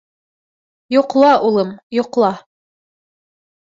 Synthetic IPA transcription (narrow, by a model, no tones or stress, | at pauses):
juqlˠɑʔulˠɤmjŏqlˠɑ